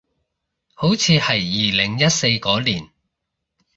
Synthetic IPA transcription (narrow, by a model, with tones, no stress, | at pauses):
ho˨˥wt͡sʰiː˨˧hɐ˨˩jːiː˨lɪ˨˩ŋjɐ˥t̚se˧jkɔː˨˥liː˨˩n